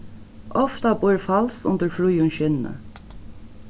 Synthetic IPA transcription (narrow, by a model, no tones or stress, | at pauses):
ɔft̪abʊɹfalsʊ̰nt̪əɹfɾujʊnʃɪnːə̰